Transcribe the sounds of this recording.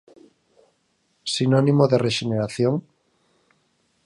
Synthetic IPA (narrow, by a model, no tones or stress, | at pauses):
sinonimoðereʃeneɾaθjoŋ